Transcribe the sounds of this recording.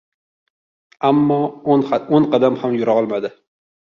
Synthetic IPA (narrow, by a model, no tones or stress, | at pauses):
amːɒnonqʰɑd̪amhamjʊɾaɒlˠmad̪ɪ